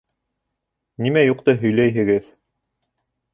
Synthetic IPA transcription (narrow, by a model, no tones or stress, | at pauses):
nimæjuqt̪ɤɦɵ̆jlæjɦɘ̆ɡɘð